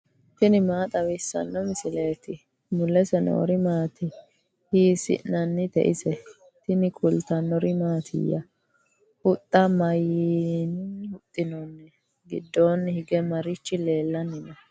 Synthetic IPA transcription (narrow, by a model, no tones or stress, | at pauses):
t̪ɪnɪmaːt̪ʼɐwɪsːɐ̰nːɔmɪsɪleːt̪ɪ | mʊlːɛsɛno̰ːɾɪmaːt̪ɪ | hiːsɪ̰nːɐnːɪt̪ɛ̰ʔɪsɛ | t̪ɪnɪkʰʼʊlt̪ɐnːɔɾɪmaːt̪ʰɪ̰jːɐ̰ | hʊt̪ʼːɐmɐjinhʊt̪ʼːɪnɔnːɛ | ɡɪ̰d̪ːoːnːhɪɡɛmɐɾɪt͡ʃːɪle̞ːlːɐnːɪnɔ